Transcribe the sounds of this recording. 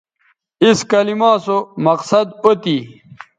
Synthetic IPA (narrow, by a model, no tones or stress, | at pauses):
iskɐlimãːsomɐqsɐd̪ot̪i